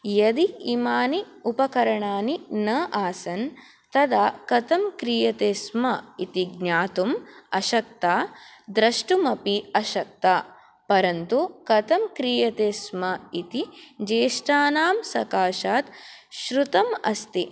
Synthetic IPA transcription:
jɐd̪iimaːni | upɐkɐɾɐɳaːninɐʔaːsɐn | t̪ɐd̪aːkɐt̪ɐmkɾijɐt̪eːsmɐit̪iɡɲaːt̪umɐʃɐk̚t̪aːd̪ɾɐʂʈumɐpiɐʃɐk̚t̪aː | pɐɾɐnt̪ukɐt̪ɐmkɾijɐt̪eːsmɐit̪id͡ʒeːʃʈaːnaːmsɐkaːʃaːt̪ʃɾut̪ɐmɐ̰st̪i

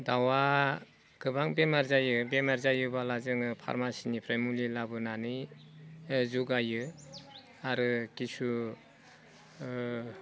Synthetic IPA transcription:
dawa | ɡɯbaŋbemaɾzajɯbemaɾzajɯbalazɯŋɯpʰa̰ɾmasinipʰɾamulilabɯnanɯ | zuɡajɯ | aɾɯkisu

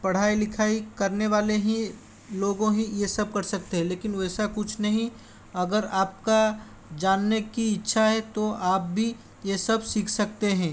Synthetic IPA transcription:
pɐɽ̤aːilɪkʰaːikɐɾneʋaːleɦi | loːɡõɦĩjesɐb̚kɐɾsɐk̚t̪eɦɛ̃leːkɪnʋɛːsakʊt͡ʃʰnɐɦĩ | ɐɡəɾaːp̚ka | d͡ʒaːnːekiɪtːʃʰaɦɛt̪oaːp̚bʱi | jesɐbsiːkʰsɐk̚t̪eɦɛ̃ː

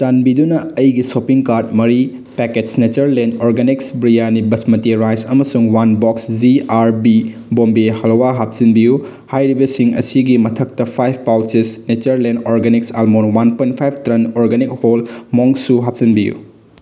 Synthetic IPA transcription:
tanbidunɐːjɡisopiŋkaɾt̚mɐɾi | peketsnet͡ʃɐɾlendoɾɡeniksbɾijanibɐsmɐtiɾajsɐmɐsuŋwanbɔksd͡ʒiaɾbibombihɐlowaɦap̚z̥inbiju | hajɾibɐsiŋɐ̰siɡimɐtʰɐk̚tɐpʰajp̚ʰpawt͡ʃisnet͡ʃɐɾlendoɾɡeniksalmonwanpojntpʰajb̚ʰtɾenoɾɡenik̚holmoŋsuɦap̚zinbijṵ

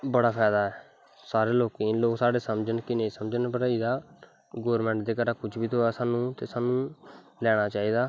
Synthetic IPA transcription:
bəɽaːpʰɛːd̪aːɛː | saːɾeːloːkiloːksaːɽeːsəmd͡ʒənkɪnẽːiːsəmd͡ʒənpəʈid̪aː | ɡoːəɾmɛ̃ːɳʈd̪eːkəɾaːkʊt͡ʃʰbiːt̪oːaːsaːnũːt̪eːsaːnũː | lɛːɽ̃aːt͡ʃaːiːd̪aː

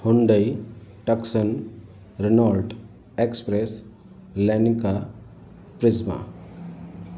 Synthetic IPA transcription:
huɳɖəjʈəksən | ɾenalʈ | ekspɾes | lenika | pɾɪzma̰

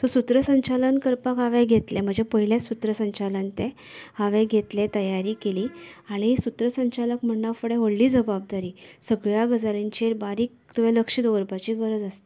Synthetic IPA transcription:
t̪ɔsut̪ɾəsəɲt͡ɕalənkəɾpakaʋẽɡʱet̪lem̤əɳd͡zepəɦiljesut̪ɾəsəɲt͡ɕalənt̪e | aʋẽɡʱet̪let̪əjaɾiːkeliːaɽ̃isut̪ɾəsəɲt͡ɕaləkm̤əɳːafəɽeɦəɽliːd͡zəbab̚d̪aɾiːsəɡɭjaɡəd͡zaleɲt͡ɕeɾbaɾiːk̚ | t̪uʋeləkʂid̪oʋəɾpat͡ɕiːɡəɾəd͡zast̪e

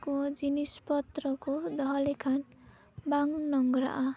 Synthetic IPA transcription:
kod͡zinispʌt̪rʌkod̪ʌɦʌlekʰan | baŋnʌŋɡɾa̰ʔa

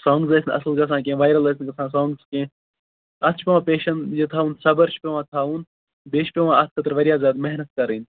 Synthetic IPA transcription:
sãːŋɡzɐsinɐ̰slɡɐs̬ãːk̬ẽːʋaːjɾɐlɐsʲnkɐsãːsãːŋɡskẽː | ɐt̪t͡ʃʰpʲeʋãːpeːʃɐnjet̪ʰaːũːnsɐbɐɾt͡ʃʰpʲeʋãːt̪ʰaːũːn | beːʃʰpʲeʋãːɐt̪̚ʰkɐt̪ɾʋɐɾjaːzʲaːd̪mɐɦnɐt̪̚kɐɾiːn

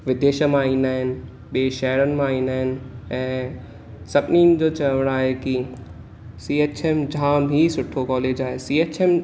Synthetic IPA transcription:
ʋɪd̪ʱeːʃə̆mãĩːnd̪aːɦɪnɪ̆ | ɓieːʃɛɦəɾənɪ̆mãĩːnd̪aːɦɪnɪ̆ɛ̃ː | sɐbnind͡ʑoːt͡ɕɐʋəɽ̃aːɦeki | siːeːt͡ɕʰemd͡ʑʱãːmɦisʊʈʰokɔːleːd͡ʑaːɦesiːeːt͡ɕem

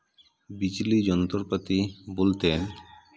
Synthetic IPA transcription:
bit͡ɕilid͡ʑɔnot̪oɾpat̪ibolt̪en

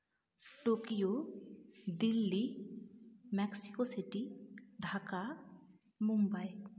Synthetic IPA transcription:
ʈokijo | d̪ilːi | mɛksikosiʈiɖʱaka | mumbaj

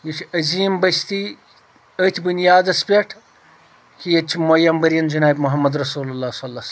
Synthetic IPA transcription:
jit͡ʃʰɐziːmbɐst̪i | ət̪ʰʲbunjaːd̪ɐspʲeʈʰ | kʰijɐt͡ʃʰimojɐmbɐɾjɐnd͡ʒɐnaːbʲmʊɦɐmːɐd̪ɾɐsuːlulːaːsɐlːas

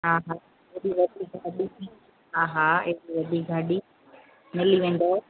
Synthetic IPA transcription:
ɦaːɦaː | eɗiʋɐd̪ʱiɡʱaɗit̪ʰi | ɦaːɦaeɦɗiʋɐd̪ʱiɡʱaːɗi | mɪliʋẽːn̆d̪oː

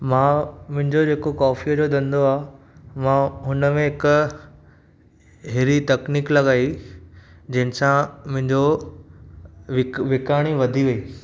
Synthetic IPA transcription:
mãmʊ̃ɦɪ̃ɲd͡ʑod͡ʑeːkokɔːfiəd͡ʑod̪ɐ̃nd̪oaː | mãɦʊnəmẽɦɪk | ɦɪɾit̪ɐkniːklɐɠaːi | d͡ʑɐ̃ɦɪ̃nɪ̆sãmʊ̃ɦɪ̃ɲd͡ʑo | ʋɪʋɪkaːɽ̃iʋɐd̪ʱiʋɐiː

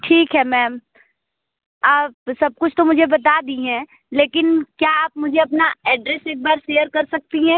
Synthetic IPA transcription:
ʈʰiːkɦɛmɛːm | aːpsɐb̚kʊt͡ʃʰt̪omʊd͡ʒʱebɐt̪ad̪iɦɛ̃ | leːkɪnkjaaːpmʊd͡ʒʱeɐpnaɛːɖɾeseːk̚baːɾʃeːjəɾkɐɾsɐk̚t̪iɦɛ̃ː

